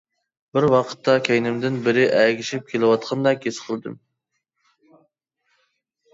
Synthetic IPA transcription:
bɪɾwɑqʰə̥t̪ʰːɑkʲʰɛjnɪmd̪ɪnbɪɾɪʔæɡʲiʃip̚kʲʰelɪwɑt̪̚qʰɑnd̪ɑkʲesqʰəlˠɨd̪ɨ̰m

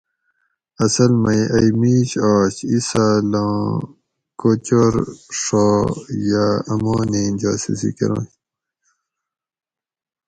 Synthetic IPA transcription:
ɐsɐlmɐjʔɐjmiːɕaːɕisalõ | kot͡ɕoɾʂojaɐmoːneːd͡ʑa̰ːsisḭkḛɾõ̰ːɕ

